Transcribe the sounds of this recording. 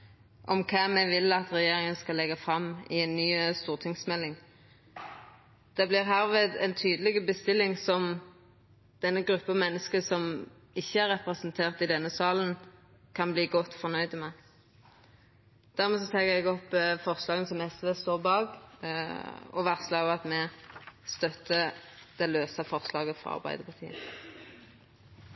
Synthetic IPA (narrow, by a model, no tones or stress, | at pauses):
ʔɔmkʰɑːmɛʋɪlɑt̪ʁɛjeːɾɪŋənskɑlɛɡɑfɾɑmɪɛnnːyːst̪uːʁt̪ʰɪŋsmɛlːɪŋ | d̪̥ɛblɪʁɦæːʁʋeːd̪ɛ̰nt̪ʰyːd̪əlɪɡəbəst̪ɪlːɪŋsɔm | d̪̥ɛnːəɡɾʉpːəmɛnːəskəsɔm | ɪçːəæɾːɛpʁɛsənt̪ʰeːʁt̪ɪd̪ɛnːəsɑːlən̩ | kʰɑnbliːɡɔt̪fɔʁnœʏd̪əmɛ | d̪̥æʁmɛs̬ɔt̪ʰɑːɡəɾɛɡɔpfɔʁslɑːɡənsɔmɛsʋeːst̪oːʁbɑːɡ | ɔ̰ʋæʁslɑɑt̪mɛst̪œt̪ːəd̪̥ɛløːsɑfɔʁslɑːɡəfɾɑ̰ɑ̰ʁbæ̰ɪd̪əɾpʰɑʁt̪ʰḭːə